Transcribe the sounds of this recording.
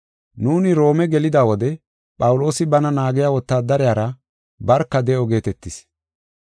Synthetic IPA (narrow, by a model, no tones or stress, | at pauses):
nuːnɪɾo̞ːmɛɡɛlɪd̪aːwɔd̪ɛ | pʼɐwʊlo̞ːsɪbɐnɐnaːɡɪjaːwɔt̪ːaːd̪ɐɾɪjaːɾɐ | bɐɾkːɐd̪ɛʔɔɡe̞ːt̪ɛt̪ːɪs